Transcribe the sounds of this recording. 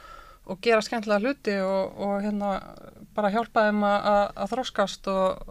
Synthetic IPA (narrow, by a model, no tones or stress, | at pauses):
ɔɣcɛːɾascɛnt̪laɣalʏːt̪ɪɔɣɔɣçjɛt̪napaːɾaçjawl̥paðɪmaaða̰ðθɾɔwskast̪ɔɣ